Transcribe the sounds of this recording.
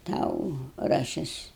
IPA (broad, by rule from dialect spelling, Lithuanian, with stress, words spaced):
ˈtɐʊ rɐˈʃʲɪs